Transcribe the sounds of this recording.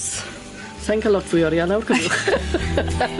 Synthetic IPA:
s | sɛŋkʰalˠɔtʰv̥ʊjɔɾjanawrkʰəbɪχ

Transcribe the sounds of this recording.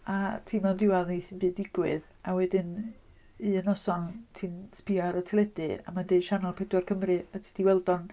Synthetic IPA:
atʰiːmɔdɪwaðnisɨnbɨːdɪɡwɨð | awɛdɪn | ɨənɔsɔntʰiːnspiaɾɔtʰɛlˠɛdɨa̰mandejʃanalˠpʰɛdwarkʰəmrɨatʰi̥d̥iwɛlˠdɔn

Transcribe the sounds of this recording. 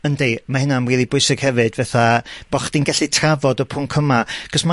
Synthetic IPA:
əndejmahɪnamwiːðˠibʊɨsɪɡ̥hɛvɨdvɛθab̥ɔχd̥inɡaɬitʰravɔdɔpʰʊŋkʰəmaɡ̥ɔsma

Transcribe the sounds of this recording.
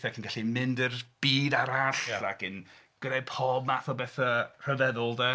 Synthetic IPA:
θɛkʰinɡaɬimɪndərb̥iːdaɾaɬakɪn | ɡ̥əɾepʰɔbmaθɔbɛθər̥əvɛðʊlˠdɛ

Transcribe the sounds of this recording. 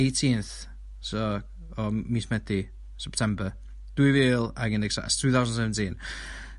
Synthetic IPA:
etʰinθ | sɔ | ɔmiːsmɛdi | sɛptʰɛmbə | d̥wɨviːlˠaɡɪnɛɡsa̰stʰuːθawsnsɛvntʰɪn

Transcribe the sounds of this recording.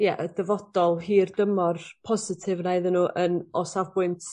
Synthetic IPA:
jɛʔədəvɔd̥ɔlˠɦiːrdəmɔrpʰɔzɪtʰɪvnaɨðənuːʔənɔsavbʊɨntʰ

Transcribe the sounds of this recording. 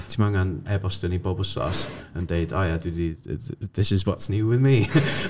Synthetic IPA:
tʰimaŋanɛbɔsd̥ənibɔbəsɔ̰səndeɨdajadwɪdiðɪsɪzwɔtsniwɪðmi

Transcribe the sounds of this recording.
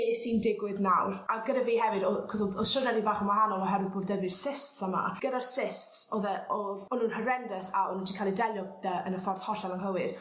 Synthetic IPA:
eːsindɪɡwɨðnawraɡədaviːhɛvɨdɔkʰɔsɔðɔ̥ʃrənɛɾibaːχəmaɦanɔlˠɔɦɛvɨd̚boːðdɛvɨrsɪstsama̰ɡ̥ədarsɪstsoðɛoðɔnunhəɾɛndəsaɔnuntʰikʰalˠidɛlˠjɔðəənəfɔrθhɔɬalamɦəwɨð̥

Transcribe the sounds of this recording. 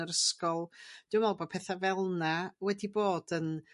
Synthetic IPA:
əɾəskɔlˠd̥ɪwmɔlˠbod̚pʰɛθavɛlˠnawɛdiboːd̥ən

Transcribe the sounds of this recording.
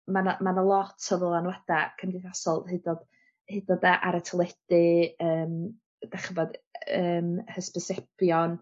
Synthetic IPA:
manmanəlˠɔtʰəvɔlˠanwɛd̥akʰəmdɪðasɔlˠɦɨdɔd̥ | hɨdɔdəʔaɾɛtʰəlˠɛd̥ɪəːm | d̥aχəvɔdəːmhəspəsɛpjɔn

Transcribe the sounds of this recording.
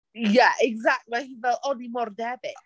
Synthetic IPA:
jaʔɛɡzak̚t̚mãnhinvɛlˠonimɔrdɛbɪt

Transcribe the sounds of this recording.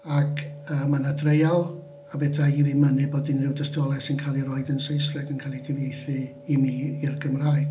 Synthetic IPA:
akʰəːmanadrejalˠ | avɛdaiɾimənɨboːdɪnrɪwdəstɔlˠɛsɪnkʰaːlˠiɾɔːɨdənsejsrɛɡənkʰalˠidɪvjejθɨ | imiːirɡəmraːj̥

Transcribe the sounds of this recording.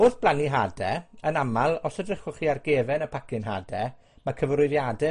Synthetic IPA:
ʊːθb̥lˠaniɦadɛənamalˠɔsədrəχʊχiarɡeːvɛnəpʰakɪnɦa̰ːdɛ | makʰəvrʊɨðjadɪ

